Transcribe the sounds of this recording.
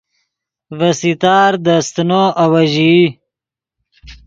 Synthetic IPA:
vɐsit̪aːɾd̪ɐst̪noːʔɐwɐʑi

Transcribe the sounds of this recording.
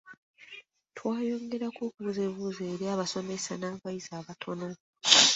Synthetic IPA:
tʰwaːjo̞ːŋɡe̞ɾakoːkuβuzeβuːze̞ːɾjaːβaso̞me̞sanaβaizaːβatʰo̞no̞

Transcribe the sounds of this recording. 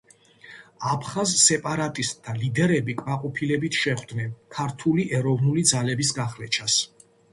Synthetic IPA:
apʰχazsɛpʼaɾat̪ʼist̪ʼʰːalid̪ɛɾɛbikʼmaqʼɔpʰilɛbit̪ʰʃɛχd̪nɛnkʰaɾt̪ʰuliʔɛɾɔvnulid̪zalɛbisɡaχlɛt͡ʃʰas

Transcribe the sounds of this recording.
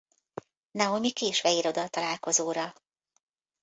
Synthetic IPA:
naomikeːʃʋɛiɾo̞d̪ɒlt̪ɒlaːlko̞zoːɾɒ

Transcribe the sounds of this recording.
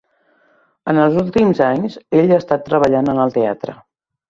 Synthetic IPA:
ənəlˠzulˠt̪imzaɲzeʎaːst̪at̪ːɾəβəʎanənəlˠt̪ea̰t̪ɾə̰

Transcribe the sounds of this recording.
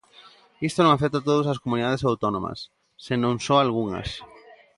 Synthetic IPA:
ist̪onõŋafek̚t̪at̪oð̞osaskomuniðaðesawt̪onõmɐ̰sː | enõŋsoalɣ̞uŋɐ̰s

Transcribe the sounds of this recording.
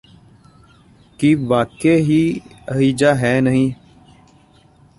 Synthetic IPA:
kiʋaːkeːɦiː | əɦiːd͡ʒaːɦɛːnəɦĩː

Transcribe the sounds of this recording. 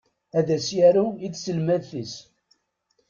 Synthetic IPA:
æðæsjæɾuit͡sːsəlmæðθis

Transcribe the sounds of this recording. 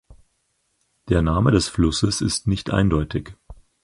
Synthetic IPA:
d̥eːɐnaːmədɛsflʊsəsɪ̰stnɪçtʔa̰ɪndɔʏtɪç

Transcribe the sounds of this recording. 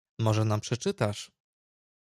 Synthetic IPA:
mɔʐɛnampʂɛt͡ʂɘt̪aʂ

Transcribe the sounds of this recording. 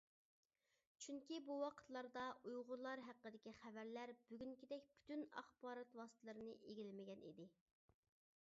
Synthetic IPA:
t͡ʃʰyŋkʲibuwɑqʰə̥t̪lˠɑɾd̪ɑʔujʁʊɾlˠɑɾɦæqːəd̪ɪkʲiχævæɾlæɾbyɡʲyŋkʲʰid̪ɛkʲbʰy̥t̪ynɑ̰χbɑːɾɑt̪wɑsɨ̥t̪ʰɨlˠɨɾɨnɨʔeɡʲilɪmɪɡʲɛnid̪ɪ

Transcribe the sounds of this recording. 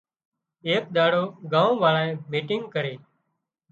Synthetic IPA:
eːkɗ̪aːɽoːɡãːõːʋaːɭaːẽːmiːʈɪŋɡkəɾeː

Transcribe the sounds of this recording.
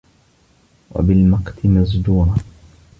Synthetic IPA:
wa̰bɪlmɑqt̪ɪmazd̪uːɾˤɑ

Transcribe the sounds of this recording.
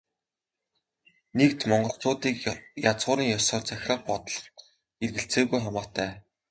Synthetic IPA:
nek̚t̪mɔɴɢɞ̆ɬt͡sʊːt̪iːkjat͡sʁʊːɾiːŋjɔsɔːrt͡sæxʲrə̆χ̚pɔt̪ɞ̆ɮ̆χ | erɣɘ̆ɬt͡seːɣujχamaːt̪ʰæː

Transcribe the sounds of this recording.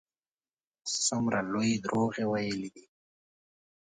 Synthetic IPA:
sʊmɾalojed̪ɾoɣewajəlid̪i

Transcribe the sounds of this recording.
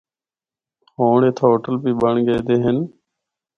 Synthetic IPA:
hoːɳeːt̪ʰoːoːʈəlpiːɓəɳɡeːd̪eːɦɪn

